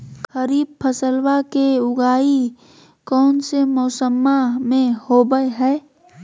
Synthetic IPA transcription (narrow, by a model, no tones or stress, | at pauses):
xəɾiːb̚pʰəsəlwakeʊɡaːi | kɔːnsemɔːsəmːamẽhoːbəeɦɛː